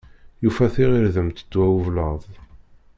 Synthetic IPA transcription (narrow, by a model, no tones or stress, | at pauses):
jufæθiʁiɾðəmt̪əd̪ːwæwuvləðˤ